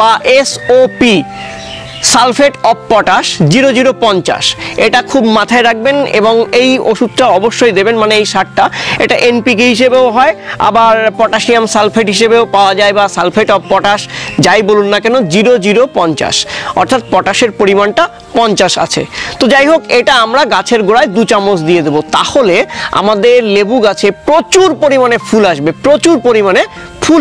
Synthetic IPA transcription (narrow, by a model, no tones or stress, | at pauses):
baʔesopi | salfʰeʈɔbpɔʈaʃd͡ʑiɾod͡ʑiɾopɔnt͡ɕa̰ʃeʈakʰubmat̪ʰaeɾak̚benḛboŋejoʃud̪̚ʈaɔboʃːojd̪ebenmaneejʃaʈ̚ʈaeʈaʔenpik̬eɦiʃebeoɦɔea̰baɾpɔʈaʃniamsalfʰeʈɦiʃebeopaoad͡ʑaebasalfʰeʈɔbpɔʈaʃd͡ʑajbolunːakɛnod͡ʑiɾod͡ʑiɾopɔnt͡ɕa̰ʃɔ̰ɾt̪ʰat̪̚pɔʈaʃeɾpoɾimanʈa | pɔnt͡ɕaʃa̰t͡ɕʰḛt̪od͡ʑajɦokeʈaamɾaɡat͡ɕʰeɾɡoɽaed̪ut͡ɕamos̬d̪ijed̪ebot̪a̰holea̰mad̪eɾlebuɡat͡ɕʰepɾot͡ɕuɾpoɾimanefʰulaʃbepɾot͡ɕuɾpoɾimane | fʰul